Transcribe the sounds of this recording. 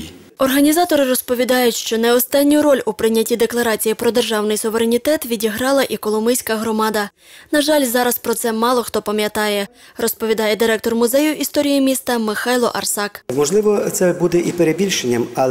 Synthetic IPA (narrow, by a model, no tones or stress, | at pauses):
ɔrɦɐnʲizɑt̪ɔɾɪɾɔspɔʋʲid̪ɑjʊtʲʃt͡ʃɔnɛɔst̪ɑnʲːʊɾɔlʲʊpɾɪnʲːɐtʲid̪e̞klˠɐɾɑt͡sʲijipɾɔd̪erʒɑwnɪjsʊʋeɾenʲit̪ɛt̪ʋʲidʲiɦɾɑlˠɐʔikɔlˠɔmɪjsʲkɐɦɾɔmɑd̪ɐ | nɐʒɑlʲzɑɾɐspɾɔt̪sɛmɑlˠɔxt̪ɔpɐmʲjɐt̪ɑjɛrɔspɔʋʲid̪ɑjɛd̪ɪɾɛk̚t̪ɔrmʊzɛjʊʔist̪ɔɾʲijimʲist̪ɐmɪxɑjlˠɔ̰ʔɐrsɑkmɔʒlˠɪʋɔt̪sɛbud̪ɛʔipeɾebʲilʲʃenʲːɐmɐlˠ